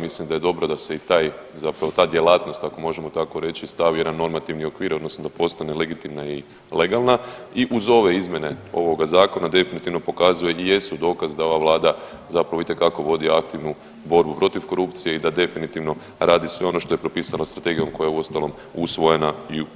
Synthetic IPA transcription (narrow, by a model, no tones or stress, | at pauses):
mislimd̪aje̞d̪o̞bɾod̪ase̞it̪aːj | zapɾaʋo̞t̪aːd̪ʲje̞laːt̪no̞st̪ako̞mo̞ʒe̞mo̞t̪ako̞ɾe̞t͡ʃist̪aʋje̞d̪anːo̞ɾmat̪iʋnio̞kʋiːɾod̪no̞snod̪apo̞st̪ane̞le̞ɡit̪imnai | le̞ɡalˠna | iʔuzo̞ʋe̞izmje̞ne̞o̞̰ʋo̞ɡazaːko̞nad̪e̞finit̪iʋno̞po̞kazuje̞ʔije̞sud̪o̞ːkazd̪ao̞ʋaʋlˠaːd̪a | zapɾaʋoit̪e̞kako̞ʋo̞d̪iakt̪iʋnu | bo̞ɾbupɾo̞t̪iʋko̞ɾupt̪sije̞id̪ad̪e̞finit̪iʋno̞ | ɾaːd̪isʋe̞o̞no̞ʃt̪o̞je̞pɾo̞piːsalast̪ɾat̪e̞ɡijo̞mko̞jajeuo̞st̪alo̞m | usʋo̞je̞nai